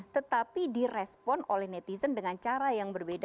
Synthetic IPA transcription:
t̪ət̪apidirɛspɔnolɛhnɛt̪isəndəŋant͡ʃaɾajaŋbərbed

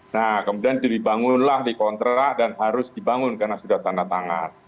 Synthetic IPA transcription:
nahkəmudiandiibaŋʊnlahdikɔnt̪ɾadanɦaɾʊsdibaŋʊnkarnasudaht̪andat̪aŋa̰n

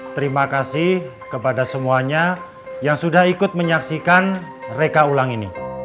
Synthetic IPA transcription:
t̪əɾimakasɪh | kəpadasəmuaɲa | jaŋsudahikʊt̪̚məɲaksikanrekaulaŋinḭ

